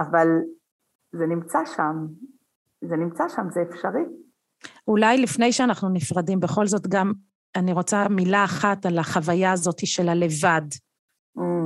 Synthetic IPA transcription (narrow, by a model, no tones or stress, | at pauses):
aval | zenimt͡saʃam | zenimt͡saʃamzeefʃaʁi | ulajlifne̞jʃeanaχnunifʁadimbeχo̞lzo̞tɡam | aniʁo̞t͡samilaːχatalaχavajaːzo̞tiʃe̞lale̞vad̩